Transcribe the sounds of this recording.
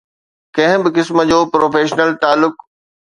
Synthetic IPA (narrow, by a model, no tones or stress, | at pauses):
kɐ̃ɦɪ̃bɪkɪsmə̆d͡ʑoːpɾoːfeːʃnəlt̪aːlːʊk